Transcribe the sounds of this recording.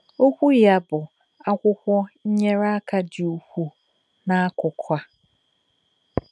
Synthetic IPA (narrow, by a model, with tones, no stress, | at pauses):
o˦kʷu˦jja˨bʊ˨ | a˦kʷʊ˦hʷɔ˦ɲ̩˦ɲɛ˦ɾa˦kʰa˨dɪ˨o˨hʷu˦ | nã˨a˦kʰʊ˨kʰa˦